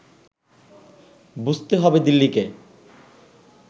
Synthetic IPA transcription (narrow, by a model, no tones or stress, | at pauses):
bud͡ʑt̪eɦɔbed̪ilːike